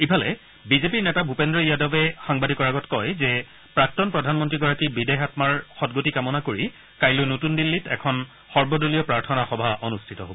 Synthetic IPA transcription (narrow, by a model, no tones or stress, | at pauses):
ipʰalɛ̰ | bizepiɹnɛtabʱupendɹɔjadɔbɛxaŋbadʱikɔɹaɡɔtkɔjzɛ | pɹak̚tɔnpɹɔdʱanmɔntɹiɡɔɹakibidɛɦatmaɹxɔtɡotikamɔnakoɹi | kajlojnotundilːitɛ̰kʰɔn | xɔɹbɔdolijɔpɹaɹtʰɔnaxɔbʱaʔonustʰitɔɦobɔ